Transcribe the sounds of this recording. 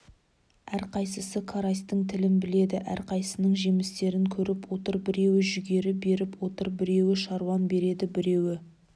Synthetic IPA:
æɾqʰɑjsəsəkʰaɾast̪əɴt̪ʰɪlɪnbɪle̞d̪ɪʔæ̰ɾqʰɑjsənəɴʒemɪst̪e̞ɾɪŋkʲʰɵɾɪpwo̞t̪əɾbɪɾe̞wɪʒʏɡʲe̞ɾɪbe̞ɾɪpwo̞t̪əɾbɪɾe̞wɪʃɑɾwɑnbe̞ɾe̞d̪ɪbɪɾe̞wɪ

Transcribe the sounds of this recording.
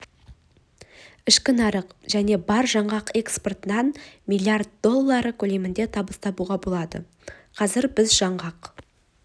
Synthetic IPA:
ɪʃkʲɪnɑɾəqʒ̥æne̞bɑɾʒɑɴʁɑqe̞ksport̪ənɑnmilʲiart̪̚d̪o̞lˠːɑɾəkʲʰɵle̞mɪnd̪e̞t̪ʰɑbəst̪ɑbuʁɑbo̞lˠɑd̪ə̰ | qʰɑzɪɾbɪzʒɑɴʁɑq

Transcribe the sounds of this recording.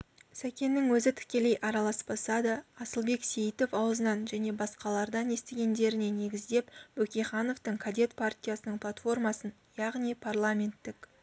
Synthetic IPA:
sækʲe̞nːɪŋwɵzɪt̪ʰɪ̥kʲe̞le̞jʔɑɾɑlˠɑsbɑsɑd̪əɑsəlˠbe̞ksʲe̞jit̪o̞fɑwəzənɑnʒæne̞bɑsqɑlˠɑɾd̪ɑne̞st̪eɡʲe̞nd̪e̞ɾɪne̞ne̞ɡʲɪzd̪e̞pbɵkʲejχɑno̞ft̪əɴkʰad̪ʲe̞t̪pʰart̪ʲijasənəɴpʰlˠat̪fo̞rmɑsən | jɑʁnijpʰarlˠamʲe̞nt̪ːɪk

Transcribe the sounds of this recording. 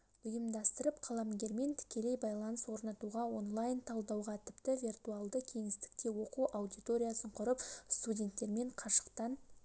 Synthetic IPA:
ɵjəmd̪ɑst̪əɾəpqʰɑlˠɑmɡʲe̞ɾme̞nt̪ʰɪ̥kʲe̞lejbɑjlˠɑnəswo̞ɾnɑt̪uʁɑwo̞nlˠajnt̪ʰɑlˠd̪ɑwʁɑt̪ʰɪpt̪ɪvʲirt̪uɑlˠd̪əkʲʰe̞ŋɪst̪ɪ̥k̚t̪e̞wo̞quʔawd̪ijt̪o̞ɾʲijasəɴqʰʊɾəpst̪udʲe̞nt̪ːe̞ɾme̞ɴqʰɑʃə̥qt̪ɑn

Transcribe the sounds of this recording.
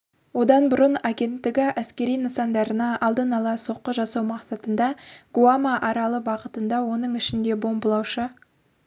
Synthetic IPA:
wo̞d̪ɑnbʊɾənaɡʲe̞nt̪ːɪɡʲɪʔæskʲe̞ɾijnəsɑnd̪ɑɾənɑʔɑlˠd̪ənɑlˠɑso̞qːəʒɑsɑwmɑqsɑt̪ənd̪ɑɡ̥uamɑʔɑɾɑlˠəbɑʁət̪ənd̪ɑwo̞nəɴɪʃɪnd̪e̞bo̞mbəlˠɑwʃə

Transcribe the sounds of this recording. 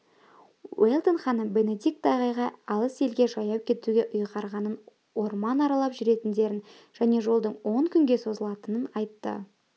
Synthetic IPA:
welˠt̪onχɑnəbe̞ne̞d̪ʲik̚t̪ɑʁɑjʁɑɑlˠəse̞lɡʲe̞ʒɑjɑwkʲʰe̞t̪uɡʲe̞ʔʊjʁɑɾʁɑnən | woɾmɑnɑɾɑlˠɑpʒʏɾe̞t̪ɪnd̪e̞ɾɪn | ʒ̥æne̞ʒo̞lˠd̪əɴwo̞ŋkʲʰʏŋɡʲe̞so̞zəlˠɑt̪ənənɑjt̪ːə̰

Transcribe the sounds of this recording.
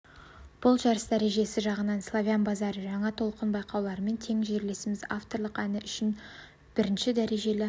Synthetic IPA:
b̥ʊlˠʒɑɾəsd̪æɾe̞ʒe̞sɪʒɑʁənɑnslˠovʲjanbɑzɑɾəʒɑɴɑt̪ʰo̞lˠqənbɑjqɑwlˠɑɾəme̞nt̪ʰe̞ŋʒe̞ɾle̞sɪmɪzaft̪o̞ɾlˠəqænɪʔʏʃɪn | b̥ɪɾɪnʃɪd̪æɾe̞ʒe̞lɪ

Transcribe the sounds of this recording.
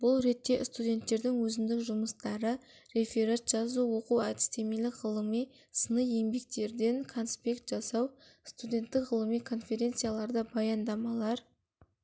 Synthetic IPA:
bʊlˠɾe̞t̪ːe̞st̪udʲe̞nt̪ːe̞ɾd̪ɪŋwɵzɪmd̪ɪkʒʊməst̪ɑɾə | ɾe̞fʲeɾat̪ʒ̥ɑzuwo̞quwæt̪ɪ̥st̪e̞melɪkʁəlˠəmij | sənəje̞mbe̞k̚t̪e̞ɾd̪e̞ŋkʰo̞nspʲe̞kt̪ʒ̥ɑsɑw | st̪ud̪ʲe̞nt̪ːɪkʁəlˠəmijkʰo̞nfʲe̞ɾʲe̞nt̪sɨjalˠɑɾd̪əbɑjɑnd̪ɑmɑlˠɑɾ

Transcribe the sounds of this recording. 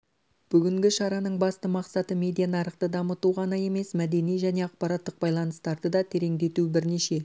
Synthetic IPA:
b̥ʏɡʲɪŋɡʲɪʃɑɾɑnəɴbɑst̪əmɑqsɑt̪əmʲe̞d̪ijanɑɾəqt̪əd̪ɑmət̪uʁɑnɑje̞me̞smæd̪e̞nijʒæne̞ɑq̚pɑɾɑt̪ːəq̚bɑjlˠɑnəst̪ɑɾd̪əd̪ɑt̪ʰe̞ɾe̞ŋd̪e̞t̪ubɪɾne̞ʃe̞

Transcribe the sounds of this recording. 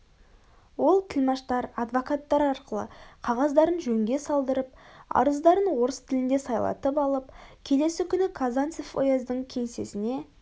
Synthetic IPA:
wo̞lˠt̪ʰɪlmɑʃt̪ɑɾɑd̪vokat̪ːɑɾɑɾqəlˠə̰qʰɑʁɑzd̪ɑɾənʒɵŋɡʲe̞sɑlˠd̪əɾəp̚ɑ̰ɾəzd̪ɑɾənwo̞ɾəst̪ʰɪlɪnd̪esɑjlˠɑ̰t̪əpɑlˠəp̚kʲʰe̞le̞sɪkʲʰʏnɪkʰazant̪sefo̰jɑzd̪əɴkʲʰe̞ŋse̞sɪne̞

